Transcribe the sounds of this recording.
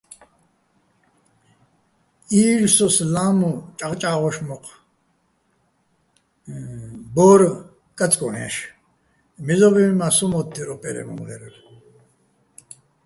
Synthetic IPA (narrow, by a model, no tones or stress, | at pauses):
iːlsɔslaːmut͡ʃʼaʁt͡ʃʼaːʁɔʃmɔqʰ | bɔɾ | kʼat͡sʼkʼɔnɛ̰ʃ | mizɔbimmasumɔt̪ʰːiɾɔpʼɛ̰ɾɛ̰mɔ̰ŋlɛ̰ɾɛl